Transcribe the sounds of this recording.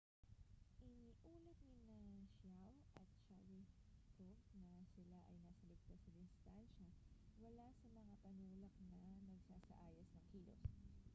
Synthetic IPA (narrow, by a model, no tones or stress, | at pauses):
ʔɪniʔuːlɐt̪̚nɪnɐʃawʔɐt̪̚ʃawɪ | t̪ok̚nɐsɪlaʔɐjnaːsɐlɪk̚t̪osɐd̪ɪst̪anʃɐwɐlasɐmɐŋapɐnuːlɐk̚nɐnɐɡsaːsɐ̰ʔaːjɐsnɐŋkʰiːlo̰s